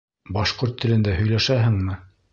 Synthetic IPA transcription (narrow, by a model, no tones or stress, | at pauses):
bɑʃqoɾt̪ʰːɘ̆lɘ̆nd̪æhɵ̆jlæʃæɦɘŋmɘ